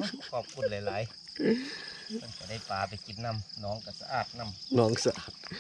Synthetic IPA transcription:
kʰɔː˧˨˩p̚kʰu˧˨la˨˦jlaː˨˦j | ma˧˥˨nka˧˩da˥˩jpaː˨pa˨jki˨˦n̚na˧˥˩mnɔː˨˦ŋka˧˩sa̰˧ʔaː˨˩t̪̚na˧˩˨mnɔː˨˦ŋ˨sa˧ʔaː˧˩t̪̚

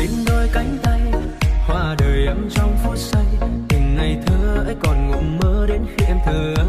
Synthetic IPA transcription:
ï˨˦ŋ̟ɗɔ˧jka˨˦jŋ̟t̪a˧jhwaː˨˩ɗəː˨˩jʔə˨˦mt͡ɕɔ˧wŋ͡mfu˨˧˦t̚sə˧jt̪i˨˩ŋ̟na˨˩jt̪ʰəː˨˦ʔə˧˦jkɔ˨˩nŋṵ˨˩ŋ͡mməː˨˦ɗe˨˦nhɛ˧mt̪ʰəː˨˩˨

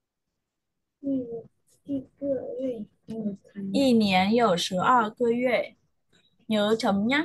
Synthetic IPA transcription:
i˥˧kə˥˧˥ | i˥˩njɛ˧˥njo˨˩ʊʂɻ̩˧˥ʔɐ˥˧kɤ˥˧ɥɛ˥˩ | njo˧˥ʊʈ͡ʂʰɤ˧˥ŋna˥

